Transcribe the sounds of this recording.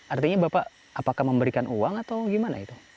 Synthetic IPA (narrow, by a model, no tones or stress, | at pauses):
art̪iɲabapaʔ | apakahməmbəɾikanʔuwaŋat̪awɡimana̰it̪u